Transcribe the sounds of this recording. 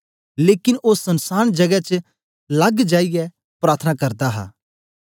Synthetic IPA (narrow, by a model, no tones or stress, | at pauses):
leːkɪnʔosɐnsaːñd͡ʒɐɡɛt͡ʃ | lɐɡd͡ʒaːijɛ | pɾaːɾt̪ʰənakɐɾd̪aɦa̰ː